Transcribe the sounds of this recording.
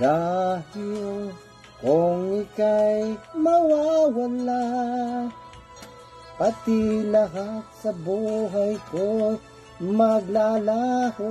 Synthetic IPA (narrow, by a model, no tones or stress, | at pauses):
d̪aːhɪl | kʊŋɪkajmɐwawala | pɐt̪ɪlɐɦat̪̚sɐbuɦajko | mɐɡlalaho